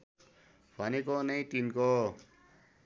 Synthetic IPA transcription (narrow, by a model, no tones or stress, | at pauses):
bʱʌnekonʌj̃t̪inko